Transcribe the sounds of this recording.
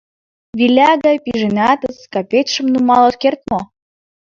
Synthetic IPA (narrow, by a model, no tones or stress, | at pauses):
βilʲæɣɑjpʲiʒenɑt̪əskɑpʲet̪ʲʃə̆mnumɑlˠɑt̪kert̪̚mo